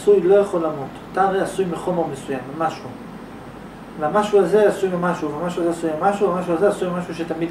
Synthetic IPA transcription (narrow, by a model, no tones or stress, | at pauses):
sujlo̞jaχolamot̪at̪aːʁejasujmeχo̞me̞ʁmesujamːemaʃu | veamaʃuaze̞asujmemaʃuveamaʃuazeasujmemaʃuamaʃ̬ualzeasujmemaʃuʃet̪amid